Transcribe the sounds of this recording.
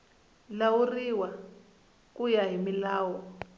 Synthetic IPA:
lawuriwa | k̬ʼujaɦimilaːwɔ

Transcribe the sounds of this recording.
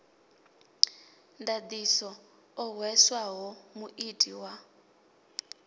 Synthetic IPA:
ndad̪isɔ | ɔɦwɛswaɦɔmuʔitʼiwa

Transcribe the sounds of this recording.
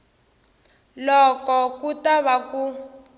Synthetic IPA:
lɔkɔkutaβaku

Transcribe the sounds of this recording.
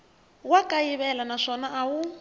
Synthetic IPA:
wakʼajiβɛlanaʂɔnaʔawu

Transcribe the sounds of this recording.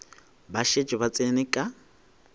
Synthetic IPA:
baʃed͡ʒɔbat͡sʼenɪkʼa

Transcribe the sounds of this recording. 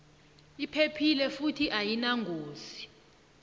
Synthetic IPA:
ipʰepʰilɛfutʰiʔajinaŋɡʱoːzi̥

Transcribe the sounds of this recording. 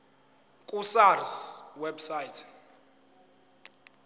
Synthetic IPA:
kʼusarswɛbsajtʰ

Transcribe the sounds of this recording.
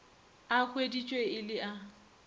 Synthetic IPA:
ak͡xʰwedit͡ʃʼweɪlɪʔa

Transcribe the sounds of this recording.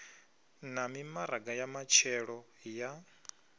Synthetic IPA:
namimaɾaɡajamat͡ʃʰɛɺɔ | ja

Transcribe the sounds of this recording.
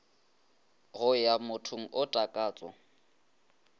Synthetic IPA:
ɣʊjamʊtʰʊŋ̩ʔʊtʼakʼaːt͡sʼɔ̰

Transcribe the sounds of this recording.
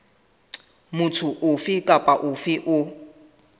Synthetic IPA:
mʊtʰʊʔʊfɪkʼapʼaʔʊfɪʔʊ

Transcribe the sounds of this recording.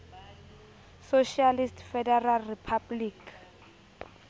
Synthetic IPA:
soʃialistfɛdɛralripʰablik

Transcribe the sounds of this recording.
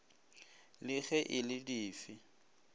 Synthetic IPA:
lɪɣɛʔɪlɪdiːfɪ

